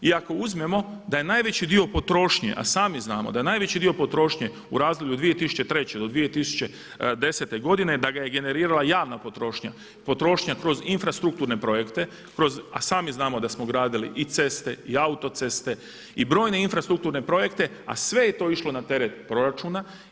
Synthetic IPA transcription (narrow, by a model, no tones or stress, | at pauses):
iako̞uzme̞mo̞d̪aje̞naːjʋe̞t͡ɕid̪io̞po̞t̪ɾo̞ːʃɲḛʔa̰saːmiznaːmod̪aje̞naːjʋet͡ɕid̪io̞po̞t̪ɾo̞ːʃɲe | uɾaːzd̪olʎud̪ʋije̞t̪isu̥t͡ɕe̞t̪ɾe̞t͡ɕed̪o̞d̪ʋije̞t̪isu̥t͡ɕe̞ | d̪e̞set̪e̞ɡo̞d̪ine̞d̪aɡaje̞ɡe̞ne̞ɾiːɾalajaːʋnapo̞t̪ɾo̞ːʃɲa̰ | po̞t̪ɾo̞ːʃɲakɾo̞zinfɾast̪ɾukt̪uːɾne̞pɾo̞je̞kt̪e̞ | kɾo̞zasaːmiznaːmo̞d̪asmoɡɾaːd̪ilḭʔit̪se̞st̪e̞iaut̪o̞t̪se̞st̪e̞ | ibɾoːjne̞infɾast̪ɾuk̚t̪uːɾne̞pɾo̞je̞kt̪e̞a̰sʋe̞je̞t̪o̞ːiʃlo̞nat̪e̞ɾet̪̚pɾo̞ɾat͡ʃuːna